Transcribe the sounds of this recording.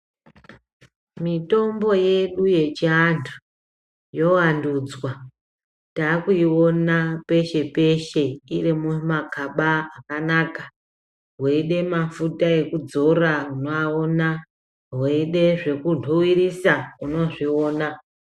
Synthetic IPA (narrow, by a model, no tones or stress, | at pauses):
mito̞mbo̞je̞ɗuje̞t͡ʃiantʰu̥ | jo̞wanduːd͡zwa | taːkuiwo̞nape̞ʃe̞pe̞ʃe̞iremumakʰaɓaːkanaka | ɦweiɗe̞mafutae̞kud͡zo̞rauno̞aona | ɦweiɗe̞ʐe̞kuntʰowirisauno̞ʐio̞ːna